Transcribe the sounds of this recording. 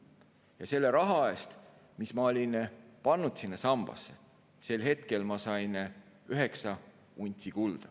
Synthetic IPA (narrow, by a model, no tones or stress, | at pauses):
jɑse̞lːe̞ɾɑɦɑe̞st̪ | mismɑo̞lʲinpɑnːut̪sinːɑsɑmb̥ɑ̰sːe | se̞lɦe̞t̪ke̞lmɑsɑjn | yɦe̞ksɑ | unʲt̪ʲːˑikuld̪̥ɑ